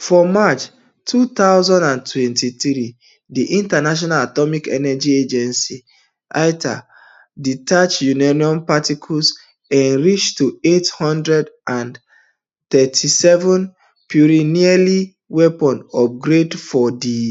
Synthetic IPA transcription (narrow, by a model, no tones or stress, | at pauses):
fɔmat͡ʃ | tʰut̪aʊzãndãntʰwɛ̃ntiθɹi | diʔĩntanaʃ̬ɔnalatɔmikɛnɛd͡ʒied͡ʒɛ̃nsi | ʔaɪtʰa̰ | ditʰat͡ʃjunaniɔ̃mpatikʰuls | ɛ̃nɹit͡ʃtuethɔ̃ndɹɛdʔãn | t̪ɛtʰisɛvɔ̃n | pʰjuɹiniali | wɛpɔ̃nɔp̚ɡɹedfɔdi